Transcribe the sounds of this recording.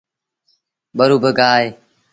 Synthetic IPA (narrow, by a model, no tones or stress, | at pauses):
ɓəɾuːbəɡaːɦeː